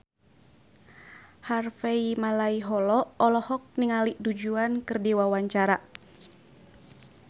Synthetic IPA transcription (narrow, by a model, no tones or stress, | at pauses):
harfeimalaiɦɔlɔɔlɔhɔk̚niŋaliʔdud͡ʒuankɨrdiwawaɲt͡ʃaɾa